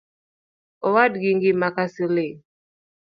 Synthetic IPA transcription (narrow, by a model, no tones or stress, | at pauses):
ɔwadɡiŋɡimakasile